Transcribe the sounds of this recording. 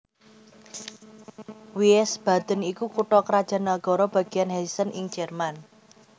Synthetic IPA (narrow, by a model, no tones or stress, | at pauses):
wiɛsb̥a̤d̪̥ə̤nikukuʈɔkəɾad̥ʒ̥a̤naɡ̥ɔ̤ɾɔb̥a̤ɡ̥ianɦɛisənʔɪŋ̥d͡ʒ̥ɛrman